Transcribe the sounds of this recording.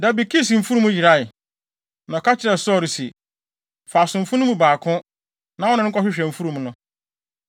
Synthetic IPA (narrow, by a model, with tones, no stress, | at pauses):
da˨bi˨kʰi˦sĩ˨m̩˨fu˦ɾũ˦mũ˦ji˨ɾa˦ɪ˨ | nɔ̃˨ka˦t͡ɕʰɪ˦ɾɛ˨sɔ˦˨ɾi˨si˨ | fa˨sʊ̃˨m̩˨fʊ̃˦nʊ̃˦mũ˦baː˨kʰʊ̃˦ | nã˨wɔ˦nʊ̃˦ŋ̩˦kʰɔ˦ɕᶣɪ˦ɕᶣɛ̃˨m̩˨fu˦ɾũ˨mnʊ̃˦